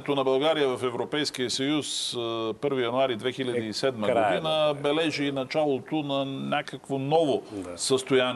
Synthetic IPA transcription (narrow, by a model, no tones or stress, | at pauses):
t̪onɐbɐlˠɡaɾijəvɐfɛvɾopɛjskijəsɐjuspɤɾvijɐnʊaɾid̪vɛxilʲəiːsɛd̪məɡod̪inəbɛlɛʒiːnɐt͡ʃalˠot̪onɐnʲakəkvonɔvosəst̪ojan